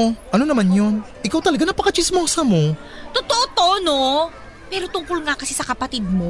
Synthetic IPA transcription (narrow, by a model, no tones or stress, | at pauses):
oʔɐno̞nɐmanjo̞nʔɪkawt̪ɐlɐɡanɐpɐkɐt͡ʃɪsmoːsɐmo̞t̪ot̪oʔot̪ooʔono̞ | pɛːɾo̞t̪ʊŋkʊlŋakɐsɛsɐkɐpɐt̪ɪd̪̚mo̞